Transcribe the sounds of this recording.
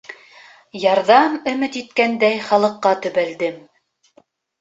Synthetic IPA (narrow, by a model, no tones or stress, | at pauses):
jɑɾðɑmɵ̆mɘt̪it̪̚kænd̪æjχɑlˠɤ̆qːɑt̪ɵ̆βæld̪ɘm